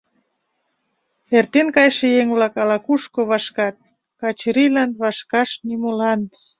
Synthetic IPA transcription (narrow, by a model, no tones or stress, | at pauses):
ert̪enkɑjʃejeŋβlɑkɑlɑkuʃkoβɑʃkɑt̪̚ | kɑt͡ɕɾilɑnβɑʃkɑʃnimolɑn